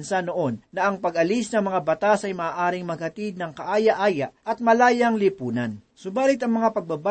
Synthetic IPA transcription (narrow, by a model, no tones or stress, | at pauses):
nsanoʔo̞nːɐʔɐŋpɐɡɐlisnɐŋmɐŋabɐt̪asɐjmɐʔaːʔaːɾɪŋmɐɡ̚hɐt̪id̪̚nɐŋkɐʔaːjɐʔaːjɐʔʔɐt̪̚mɐlaːjɐŋlipuːnɐnsʊbaːlɪt̪ɐŋmɐŋapɐɡ̚baba